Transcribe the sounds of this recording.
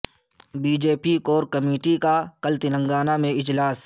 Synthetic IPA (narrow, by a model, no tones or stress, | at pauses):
biːd͡ʒeːpikoːɾkɐmeːʈikakəlt̪ɪlə̃ŋɡaːnamẽɪd͡ʒlaːs